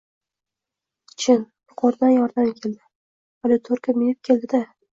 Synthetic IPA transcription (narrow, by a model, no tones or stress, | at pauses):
t͡ʃʰɪnjʊqʰɒɾd̪anjɒɾd̪amkʲʰe̞ld̪ɪ | alɪt̪ʰoɾkʲʰamɪjɪp̚kʲʰe̞ld̪ɪd̪a